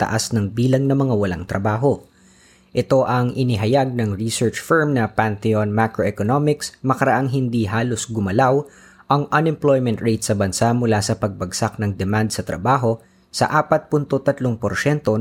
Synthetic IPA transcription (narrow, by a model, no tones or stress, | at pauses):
t̪ɐ̰ʔasnɐŋbiːlɐŋnɐmɐŋawɐlaŋt̪ɾɐbaːɦo̞ | ʔɛt̪o̞ʔɐŋɪnɪɦɐjaɡ̚nɐŋɹisɛɹt͡ʃfɛɹmnɐpant̪ɛonmakɾoʔɛkonomɪksmɐkɐɾɐʔaŋɦɪnd̪iɦaːlo̞sɡʊmɐlaw | ʔɐŋʔɐnɛmplojmɛnt̪ɹejt̪sɐbɐnsamʊlasɐpɐɡ̚bɐɡsak̚nɐŋd̪ɛmand̪sɐt̪ɾɐ̰baːɦo̞ | sɐ̰ʔaːpɐt̪̚punt̪ot̪ɐt̪loŋpoɾʃɛnt̪o̞